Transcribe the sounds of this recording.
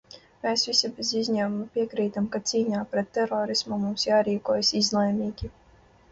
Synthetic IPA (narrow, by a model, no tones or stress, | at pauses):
meːsvisabʲezizʲɲaːmumupʲiɛkɾiːt̪amkat̪siːɲaːpɾɛt̪ːɛɾɔːɾismumumsjaːɾiːkuɔjasizlˠɛjmiːɡʲi